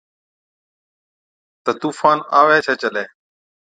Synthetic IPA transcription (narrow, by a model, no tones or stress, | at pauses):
t̪ət̪uːfaːna̰ːʋeːt͡ʃʰeːt͡ʃəleː